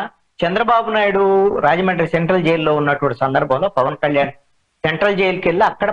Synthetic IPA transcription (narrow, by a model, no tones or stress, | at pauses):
t͡ʃɐnd̪ɾɐbaːbunaːjiɽuɾaːd͡ʒɐmɐɳʈɐɾseɳʈɾɐld͡ʒe̞ːjllo̞ːunːɐʈuʋɐɳʈisɐnd̪ɐɾbʱɐ̃w̃lo̞ːpɐʋɐnkɐljaːn | seɳʈɾɐld͡ʒeːjlukeɭːiɐkːɐɽɐ